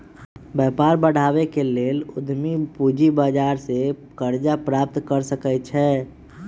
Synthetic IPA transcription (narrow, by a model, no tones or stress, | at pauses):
bɛːpaːɾbəɽ̤aːʋekeleːlʊd̪mipuːd͡ʒibaːd͡ʒaːɾsekəɾd͡ʒapɾaːp̚t̪kəɾsəkət͡ʃʰɛː